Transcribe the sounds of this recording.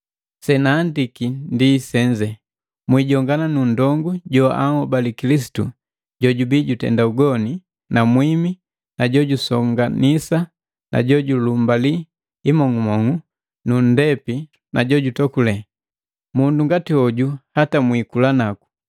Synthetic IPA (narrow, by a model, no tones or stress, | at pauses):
sɛnaːndikindisɛɲd͡ʒɛ | mwiɟɔŋɡananundɔŋɡuɟɔʔa̰ŋɔbalikilis̬i̥tṵ | ɟɔɟubiɟutɛ̰ndauɡɔni | namwimi | naɟɔɟusɔŋɡanisa | na̰ɟɔɟulumbaliː | mɔŋumɔŋu | nun̩dɛpi | naɟɔɟutɔkulɛ | munduŋɡatiɔɟuhatamwikulanaku̥